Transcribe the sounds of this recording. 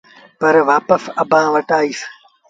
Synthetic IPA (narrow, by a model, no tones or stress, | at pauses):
pɐɾʋaːpəsɐbʱãːʋɐʈaːiːs